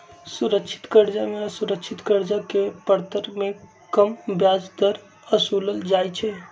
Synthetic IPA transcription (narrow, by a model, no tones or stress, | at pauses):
suɾəkʃʰɪ̥t̪kəɾd͡ʒameəsuɾəkʃʰit̪kəɾd͡ʒakepəɾt̪əɾmẽ | kəmbjad͡ʒd̪əɾ | əsuləld͡ʒajt͡ʃʰɛ